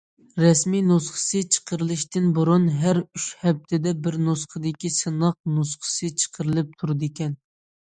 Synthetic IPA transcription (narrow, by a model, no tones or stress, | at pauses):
ɾɛsmijnusχə̥sɨt͡ʃʰə̥qʰəɾɨlˠɨʃt̪ɪnbuɾunɦæɾyʃhɛp̚t̪ʰɪd̪ɛbɪɾnusχəd̪ɪkʲisɨnɑq̚nusχə̥sɨt͡ʃʰə̥qʰəɾɨlˠɨp̚t̪ʰuɾɨd̪ɪkʲɛn